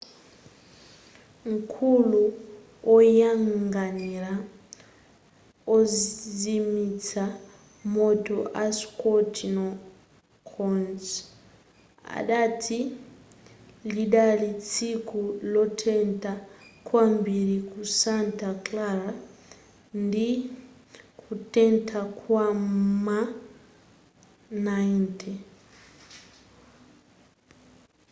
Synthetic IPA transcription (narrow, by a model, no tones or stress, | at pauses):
ŋ̩kʰulu | ɔjaŋɡaniɾa | ɔzimit͡sa | mɔtɔʔaskɔtʰnɔ | kʰɔns | a̰ɗatʰi | liɗalit͡sʰikʰulɔtʰɛntʰʼakʰwambiɾikusantaklaɾa | ndi | kʰutʼɛntʰakʰwama | nantʰʼɛ